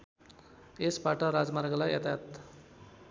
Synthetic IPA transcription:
esbaʈʌɾad͡zmarɡʌlajʌt̪jat̪

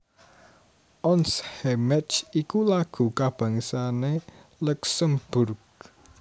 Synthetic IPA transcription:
ʔɔnshɛmɛt͡ʃikulaɡ̥ṳkab̥ä̤ŋisane | luksəmb̥ʊrɡ̚

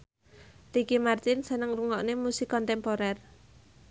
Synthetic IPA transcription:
rikimart̪ɪnsənəŋruŋɔʔnemusikːɔnt̪ɛmpoɾɛr

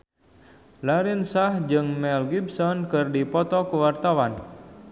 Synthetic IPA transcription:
laɾɪnsahd͡ʒɨŋmɛlɡibsɔnkɨrdipɔt̪ɔkəwart̪awan

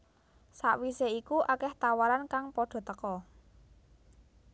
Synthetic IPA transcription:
saʔwiseikuʔakɛht̪awaɾankaŋpɔɖ̥ɔ̤t̪əkɔ

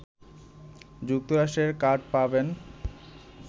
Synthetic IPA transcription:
d͡ʑuk̚t̪oɾaʃʈeɾkaʈ̚paben

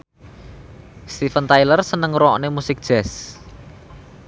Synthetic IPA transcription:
st̪ifənt̪ajlərsənəŋɾɔnemusɪk̚d̥ʒ̥ɛs

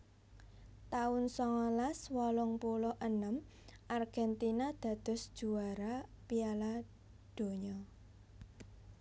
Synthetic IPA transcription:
t̪aʊnsɔŋɔlaswɔlɔŋpulɔʔənəm | ʔarɡ̥ɛnt̪inad̪̥a̤d̪̥ʊ̤sd̥ʒ̥ṳaɾapiala | d̪̥o̤ɲɔ

